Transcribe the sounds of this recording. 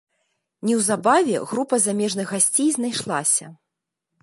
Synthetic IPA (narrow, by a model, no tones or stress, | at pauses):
nʲɛwzabavʲɛ̰ɣɾupɐzamʲɛʐnɨɣɣasʲt͡sʲejznajʂlˠasʲɐ